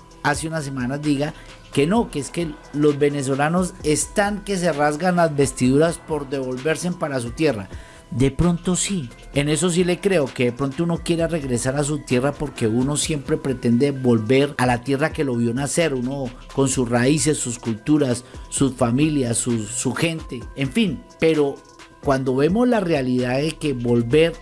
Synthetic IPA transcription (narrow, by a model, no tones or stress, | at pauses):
aseunas̬e̞manazd̪iɣa | ke̞no̞keeske̞ | lo̞zbe̞ne̞s̬o̞lano̞se̞st̪aŋke̞s̬e̞razɡanlazbe̞st̪iðuɾaspo̞ɾd̪e̞βo̞lbe̞ɾse̞mpaɾas̬ut̪je̞ra | d̪e̞pɾo̞nt̪o̞si | e̞ne̞so̞s̬ile̞kɾe̞o̞ke̞ðe̞pɾo̞nt̪o̞uno̞kje̞ɾere̞ɣɾe̞saɾas̬ut̪je̞rapo̞ɾke̞uno̞sje̞mpɾe̞pɾe̞t̪e̞nd̪e̞βo̞lbe̞ɾalat̪je̞rake̞lo̞βjo̞nase̞ɾuno̞ | ko̞nsusraise̞sːuskult̪uɾasːusfamiljasuːuxe̞nt̪e̞ːɱfinpe̞ɾo̞ | kwand̪o̞βe̞mo̞zlarealiðaðeke̞βo̞lbe̞ɾ